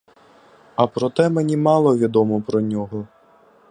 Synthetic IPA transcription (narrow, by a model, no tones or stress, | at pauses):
ɐpɾɔt̪ɛmenʲimɑlˠɔʋʲid̪ɔmɔpɾɔnʲɔɦɔ